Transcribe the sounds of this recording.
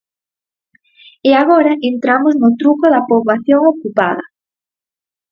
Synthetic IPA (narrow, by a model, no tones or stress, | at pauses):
eaɣoɾɐʔent̪ɾamoznʊt̪ɾukoðɐpoβlaθjoŋokupa̰ðɐ̰